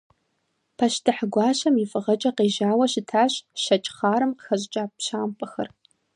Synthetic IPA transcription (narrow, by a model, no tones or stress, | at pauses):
pʰɐɕtʰɨħɡʷɑːɕɐmifʼɨʁɐt͡ʃʼɐqeːʒaːwɐɕɪtʰaːɕʃɐt͡ʃʼχɑːɾɨmqəxɐʑʼt͡ʃʼaːpɕaːmpʼɐxɐ̰r